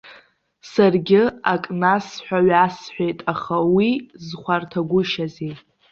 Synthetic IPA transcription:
sarɡʲɪakʼnasħʷᶣaɥasħʷᶣejtʼaχawizχʷartʰaɡʷʊʃaze

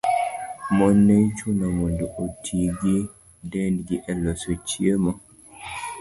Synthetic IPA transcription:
mɔnːɛt͡ʃunamɔnduʔotʰiɡi | dɛndɡiʔɛlɔsot͡ʃiema

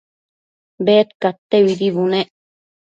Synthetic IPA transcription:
beːt̪kat̪ːeβid̪iβuneʔ

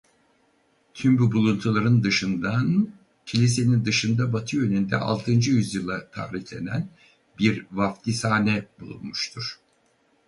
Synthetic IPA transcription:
t̪ʰymbubulˠunt̪ʰulˠaɾɯnd̪ɯʃɯnd̪an | cʰilʲis̬e̞nind̪ɯʃɯnd̪abat̪ʰɯjø̞nynd̪ɛ̰ʔa̰lˠt̪ʰɯnd͡ʒɯjyzjɯlˠat̪ʰa̰ːɾiçlʲe̞næn | biɾvaft̪ʰisaːnɛbulˠṵnmuʃt̪ʰuɾ̥

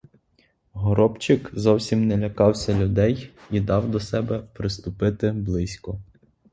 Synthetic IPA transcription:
ɦɔɾɔpt͡ʃɪkzɔwsʲimnɛlʲɐkɑwsʲɐlʲʊd̪ɛjid̪ɑwd̪ɔsɛbɛpɾɪst̪ʊpɪt̪ɪblˠɪsʲkɔ

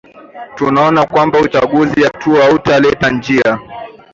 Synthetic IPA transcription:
tunaɔnakwambaut͡ʃaɠuzijatuautalɛtand͡ʒia

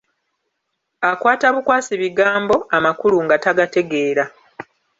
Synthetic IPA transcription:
akwaːtaβukwaːsiβiɡaːmbo̞amakuluŋɡataɡate̞ɡe̞ːɾa

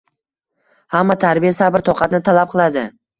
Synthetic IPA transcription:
hamːat̪ʰaɾbijasabɪɾt̪ʰɒqʰɑt̪nɪt̪ʰalap̚qʰɨlˠad̪ɪ

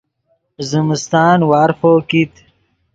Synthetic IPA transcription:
zimst̪aːnwaːɾfoːkit̪

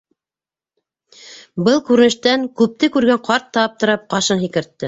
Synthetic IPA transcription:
bɤlˠkʉɾɘ̆nɘ̆ʃt̪æŋkʉp̚t̪ɘkʉɾɡæɴqɑɾt̪ːɑp̚t̪ŏɾɑp̚qɑʃɤnɦikɘ̆ɾt̪ːɘ

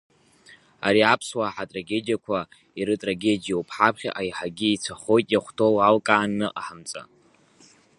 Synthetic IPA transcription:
a̰ɾiapʰswaħatʼraɡʲe̞dijakʷʰa | iɾɨtʼraɡʲe̞dijaupʰħapʰχʲa̰ʔajħaɡʲiit͡sʷʰaχo̞jtʼjaχʷtʰo̞walkʼaːnːɨʔʼaħamt͡sʼa̰

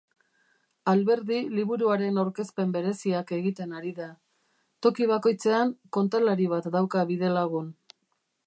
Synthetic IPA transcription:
alβe̞ɾðiliβ̞uɾuaɾe̞nawɾke̞spe̞mbe̞ɾe̞siake̞ɣ̞it̪e̞naɾiða | t̪o̞kiβ̞ako̞jt͡se̞aŋko̞nt̪alaɾiβ̞at̪d̪awkaβiðe̞laɣ̞un

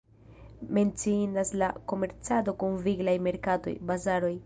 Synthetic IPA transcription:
me̞nt͡sinaslako̞me̞ɾt͡sado̞kunviɡlajme̞ɾkato̞̰jbazaɾo̞j

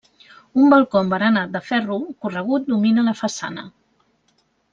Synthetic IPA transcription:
umbəlˠkɔmbəɾənat̪̚d̪əfɛrukurəɣ̞ut̪̚d̪uminələfəsa̰nə̰

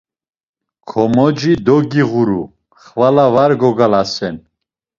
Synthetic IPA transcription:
kʰɔmɔd͡ʒid̪ɔɡiʁuɾu | χvalavaɾɡɔɡalasɛn

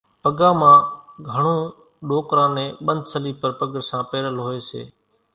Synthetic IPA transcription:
pəɡãːmãːɡʱəɳõː | ɗoːkɾãːnẽːɓə̃nd̪səliːpəɾpəɡəɾsãːpeːɾəlɦoːeːsḛː

